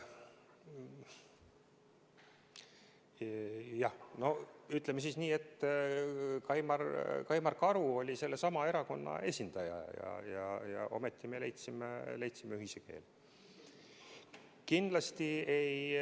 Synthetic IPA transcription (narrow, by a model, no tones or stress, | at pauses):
jɑhno̞yt̪ˑlemːesisniːe̞t̪ː | kɑjmɑrkɑjmɑrkɑɾuo̞lʲise̞lːe̞sɑmɑe̞ɾɑko̞nːɑ̰e̞sʲind̪̥ɑjɑ̰jɑ̰jɑjɑ̰o̞̰met̪ːimele̞jt̪simelejt̪simeyɦiseke̞̰ːl | kind̪̥lɑst̪ie̞j